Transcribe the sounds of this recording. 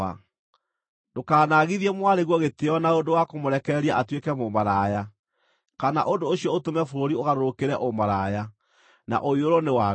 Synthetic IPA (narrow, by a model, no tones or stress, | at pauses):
a̰ | dokaːnaɣiðiɛmwaɾeɣwɔɣeteɔnaondowakomoɾɛkɛɾiaʔatwekɛmomaɾaja | kanaʔondoːɕiɔotomɛfoɾoɾioɣaɾoɾokeɾɛʔomaɾaja | na̰ʔoioɾɔnewa